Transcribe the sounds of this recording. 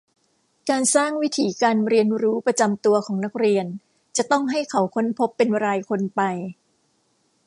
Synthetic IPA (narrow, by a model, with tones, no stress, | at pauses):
kaː˧nsaː˥˩ŋwi˦˥t̪ʰiː˩˦kaː˧nɾi˧ənɾuː˦˥pɾa˧t͡ɕa˧mt̪u˧ɐkʰɔː˩˦ŋna˦˥k̚ɾi˧ən | t͡ɕa˨˩t̪ɔ˥˩ŋɦa˥˩jkʰa˩˦wkʰo˦˥npʰo˦˥pːe˧nɾaː˧jkʰo˧npa˧j